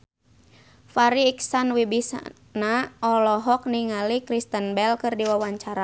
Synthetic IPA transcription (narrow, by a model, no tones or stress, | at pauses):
faɾiːksanwibis | naɔlɔɦɔk̚niŋalikɾist̪ənbɛlkɨrdiwawaɲt͡ʃaɾa